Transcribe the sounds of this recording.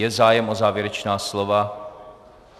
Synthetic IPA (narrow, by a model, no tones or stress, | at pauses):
ɛzaːjɛmʔo̞zaːvjɛɾɛt͡ʃnaːslo̞va